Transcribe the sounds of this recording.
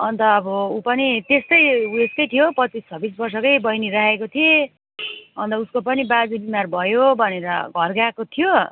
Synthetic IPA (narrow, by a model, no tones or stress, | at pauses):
ʌnt̪ʌːbʌupʌnit̪est̪ʌjuest̪ʌjt̪ʰijopʌt͡sist͡sʰʌbis̬bʌrsʌkʌjbʌjniɾaɦekot̪ʰie | ʌnt̪ʌuskopʌnibad͡zibimarbʱʌjobʱʌneɾʌ̰ɡʱʌrɡakot̪ʰijo